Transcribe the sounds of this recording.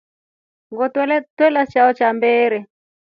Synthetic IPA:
ŋɡɔtltwɛlat͡ʃaɔt͡ʃambɛːɾɛ

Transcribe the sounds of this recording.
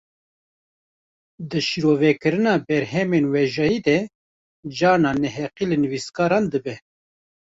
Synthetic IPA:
d̪ɨʃiɾoːvɛkɨɾɨnɑːbɛɾɦɛmeːnwɛʒɑjiːd̪ɛ | d͡ʒɑːnɑːnɛɦɛqilɨnɨwiskɑːɾɑːnd̪ɨbɛ

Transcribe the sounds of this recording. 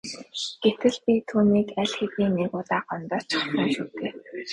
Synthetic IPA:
ɡ̥et̪ɘ̆ɮpʲit̪ʰuːniːkæɮxet̪niːnekʊːt̪aːɢɔnt̪ɔːt͡ɕʰḁχsə̆ŋʃuːt̪eː

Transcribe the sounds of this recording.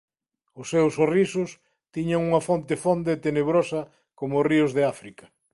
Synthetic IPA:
ʊsːewsːorisʊs | t̪iɲaŋuŋɐfont̪ɪfond̪eːt̪eneβ̞ɾosɐ | komʊʊriʊzðeafɾikɐ

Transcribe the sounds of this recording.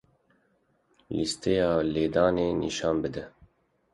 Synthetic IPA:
list̪ejɑːleːd̪ɑːneːnḭʃɑːnbɨd̪ɛ

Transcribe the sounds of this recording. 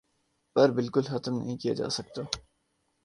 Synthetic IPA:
pɐɾbɪlkʊlxɐt̪əmnə̰ɦĩkija̰d͡ʒa̰ːsɐk̚t̪aː

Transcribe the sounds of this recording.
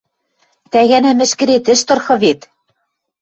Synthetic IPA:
t̪æɣænæmɘ̆ʃkɘ̆ɾet̪ɘ̆ʃt̪ɤ̆rxɤ̆βet̪

